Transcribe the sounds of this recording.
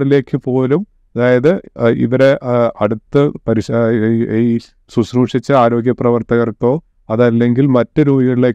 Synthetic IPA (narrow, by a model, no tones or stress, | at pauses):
ɽile̞ːkːɨpo̞ːlum | ɐðaːjɐðɨḭʋɐɾe̞ʔɐɽut̪ːɨpɐɾiɕi | suɕruʂit͡ɕːɨaːɾo̞ːɡjɐprɐʋɐrt̪ɐɣɐrk̪ːo̞ː | ɐðɐlːe̞ŋɡilmɐtːɨɾuːiɐile̞ː